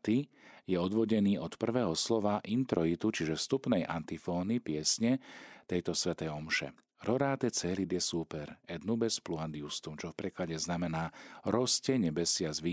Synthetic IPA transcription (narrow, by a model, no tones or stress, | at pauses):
t̪ijɛɔd̪ʋɔɟɛniːɔt̪pr̩ʋɛːɦɔslɔʋaʔint̪ɾɔit̪ut͡ʃiʒɛst̪upnɛjʔa̰nt̪ifɔːnipɪɛsɲɛt̪ɛjt̪ɔsʋɛt̪ɛjɔmʃɛ̰ | ɾɔɾaːt̪ɛt͡sɛlid̪jɛsuːpɛɾɛd̪nubɛspluand̪iust̪umt͡ʃɔfpɾɛklaɟɛznamɛnaːɾɔscɛɲɛbɛsɪazʋi